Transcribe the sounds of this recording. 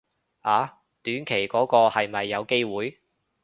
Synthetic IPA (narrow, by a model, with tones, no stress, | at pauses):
ʔaː˨˧ | t̪yː˨˥nkʰe˨˩jkɔː˨˥kɔː˧hɐ˨jmɐ˨jːɐ˨˧wke˥jwuː˨˥j